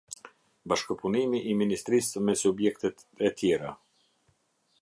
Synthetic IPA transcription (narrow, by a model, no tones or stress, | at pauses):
baʃkəpunimiʔːminist̪ɾismɛsubjɛkt̪ɛt̪ | ɛt̪jɛɾa